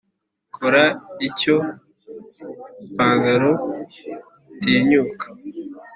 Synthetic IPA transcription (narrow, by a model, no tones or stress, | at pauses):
kʰoɾaico̞ | paɡaɾo | teːɲuːkʰḁ